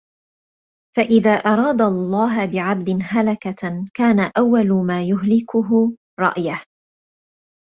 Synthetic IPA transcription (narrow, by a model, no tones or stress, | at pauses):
faʔɪðaːʔɑɾˤɑːd̪alˤːɑːɦbɪʕab̚d̪ɪnɦalakakaːnaʔawːalʊmaːjʊɦlɪkʊɦʊ | ɾˤɑ̰ʔjah